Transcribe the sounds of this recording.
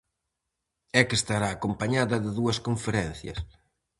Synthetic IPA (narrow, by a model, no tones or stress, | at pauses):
ɛkest̪aɾaːkompaɲaðɐðɪðuɐskoɱfeɾɛn̟θjɐ̰s